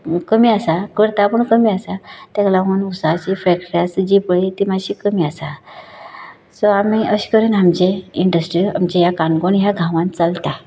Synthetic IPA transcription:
kəmiasakəɾt̪apəɳkəmiːasat̪jãklaɦunusat͡ɕifɾɛkʈəɾijasd͡ʑipɭit̪imaɕikəmiːasa | sɔamiəɕkəɾənɦamd͡ʑẽiɳɖəsʈɾiamt͡ɕẽjakãnɡoɳjaɡʱãʋãnt̪t͡salt̪a

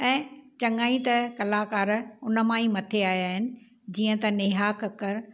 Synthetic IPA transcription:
ɛ̃ːt͡ɕɐŋaːĩt̪ɐkɐlaːkaːɾʊnə̆mãːĩmɐt̪ʰeaːjaːɦɪnɪ̆ | d͡ʑiːə̃t̪ɐnɪɦaːkɐkəɾ

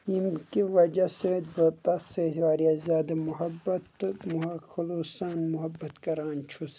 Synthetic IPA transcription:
jimkiʋɐd͡ʒaset̪̚bɐt̪ɐset̪ʋaːɾiazʲaːd̪ɐmʊɦɐbːɐt̪mʊɦxɐluːsaːnmʊɦɐbːɐt̪kɐɾaːnt͡ʃʰus

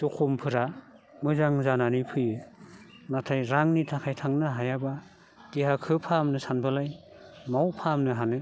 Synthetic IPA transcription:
tukʰumpʰɯɾa | mɯzaŋzananipʰɯjɯ | natʰajɾaŋnitʰakʰajtʰaŋnɯɦajaba | kiɦakʰɯpʰamnɯsanbɯlaj | mawpʰamnɯɦanɯ

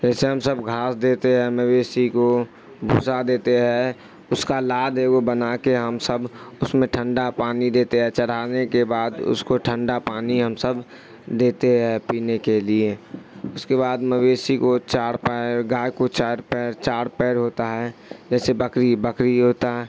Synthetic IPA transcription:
d͡ʒɛːseɦəmsəbɡʱaːsd̪eːt̪eɦɛ̃məweːsiko | bʱṵːsad̪eːt̪eɦɛ | ʊskalaːd̪eɡobənakeɦəmsəbʊsmẽʈʰə̃ɳɖapaːnid̪eːt̪eɦɛ̃t͡ʃəɽ̤aːnekebaːd̪ʊ̰skoʈʰə̃ɳɖapaːniɦəmsəb | d̪eːt̪eɦɛpiːnekelieʊskeβaːd̪məweːsikot͡ʃaːɽpɛɡaːjkot͡ʃaɾpɛːɾt͡ʃaːɽpɛːɾɦoːt̪aɦɛd͡ʒɛːsebəkɾibəkɾiɦoːt̪aɦɛ

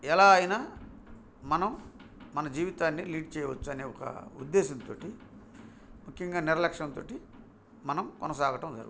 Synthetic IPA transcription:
ɛlaːɐjɐnaː | mɐnɐmːɐnɐd͡ʒiːʋit̪aːnːiliːɖt͡ʃɛːjɐʋɐt͡ʃːuɐneːɔkɐ̰ṵd̪ːeːsɐnt̪oːʈi | mukʰjɐŋɡaːniɾɐlɐkʂɐnt̪o̞ːʈi | mɐnɐmkɔnɐsaːɡɐʈɐmd͡ʒɐ̰ɾɡ

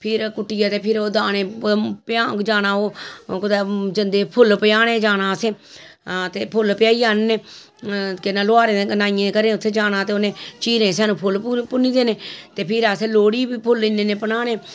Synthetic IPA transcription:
pʰɪɾkʊʈːɪjaːt̪eːpʰɪɾoːd̪aːnẽːpjaːd͡ʒaːnaːoːkʊd̪eːd͡ʒənd̪eːpʰʊlpəjaːnẽːd͡ʒaːnaːsẽː | t̪eːpʰʊlpɪjaːiːaːnːeː | kɪnaːloaːɾẽːnaːɪjẽːkəɾẽːʊt̪ʰːeːd͡ʒaːnaːt̪eːonẽːt͡ʃiːɾẽːs̬ɛːnũːpʰʊlpʊniːd̪eːnẽːt̪eːpʰɪɾaseːloːɽiːbiːpʰʊlɪnːẽːneːpənaːneː

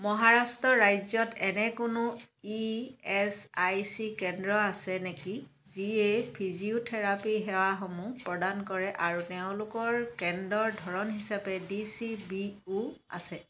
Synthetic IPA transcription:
mɔɦaɹastɹɔɹajzɔtʰɛnɛkʊnʊiɛsajsikɛndɹɔasɛneki | ziepʰiziutʰɛɹapiɦɛwaxɔmupɹɔdankɔɹɛʔaɹutɛʊ̃lʊkɔɹkɛndɔɹdʱɔɹɔnɦisapɛdisibiua̰sɛ

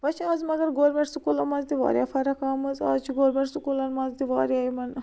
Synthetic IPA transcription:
ʋɐt͡ʃʰaːzmɐɡɐɾɡoːɾmeʈsukulɐmɐnzd̪iʋa̰ːɾʲja̰ːfɐɾɐkaːmɨza̰ːt͡ʃʰiɡoːɾmeʈsukulɐnmɐnzd̪iʋaːɾjaːimɐn

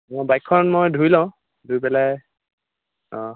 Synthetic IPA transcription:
mɔbajkʰːɔnmojdʱuilãʊ̃ | dʱupɛlaj | ɔ̃

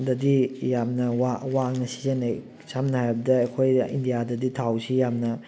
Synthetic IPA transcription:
dɐdijamnɐwawak̚nɐsi̥zene | samnɐhajbɐdɐːkʰojindijadɐditʰawsijamnɐ

